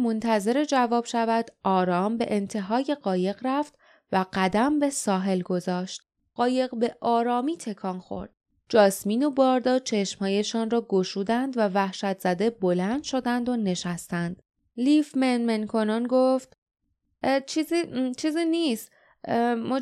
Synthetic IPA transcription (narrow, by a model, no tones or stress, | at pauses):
mo̞nt̪ʰæze̞ɾe̞d͡ʒævɒːb̥ʃævæd̪ɒːɾɒːmbe̞ʔent̪ʰe̞ɦɒːje̞ɢɒːje̞ɣræft̪ | væɢæd̪æmbe̞sɒːɦe̞lɡo̞zɒːʃt̪ | ɢɒːje̞ɣbe̞ʔɒːɾɒːmiːt̪ʰe̞kʰɒːnxo̞̰ɾd̪̥ | d͡ʒɒːsmiːno̞bɒːɾd̪ɒːt͡ʃʰe̞ʃmhɒːje̞ʃɒːnrɒːɡoʃuːd̪ænd̪vævæhʃæt̪ʰz̥æd̪e̞bo̞lænd̪̥ʃo̞d̪ænd̪one̞ʃæst̪ænd̪̥ | lifmenmenkʰo̞nɒnɡoft̪ | t͡ʃʰizit͡ʃʰiːziːnist̪ | m